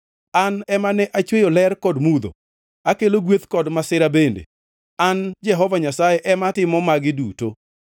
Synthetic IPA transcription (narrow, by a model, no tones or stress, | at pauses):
anɛmanɛʔat͡ʃwejolɛrkɔdmud̪o̰ | akeloɡwet̪kɔdmasɪɾabendḛ | and͡ʒɛɦɔvaɲasajɛʔɛmatɪmɔmaɡɪduto